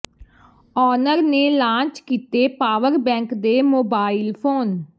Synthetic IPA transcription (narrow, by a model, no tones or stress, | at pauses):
ɔːnəɾneːlãːt͡ʃkiːt̪eːpaːʋəɾbɛ̃ːŋkd̪eːmoːbaːɪlpʰoːn